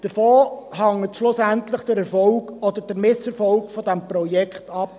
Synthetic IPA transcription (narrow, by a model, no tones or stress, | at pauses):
d̥əfoːhɑŋətʃlʊsæntlɪχd̥əɾɛɾfɔlɡɔd̪əɾd̥əɾmɪsɛɾfɔlkfɔdɛmpɾɔjɛkχtɑp